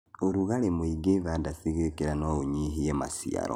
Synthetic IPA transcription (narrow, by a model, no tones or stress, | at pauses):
oɾuɣalemwiɡeβadasiɣekeɾanooɲiɦiema̰sḭa̰ɾo̰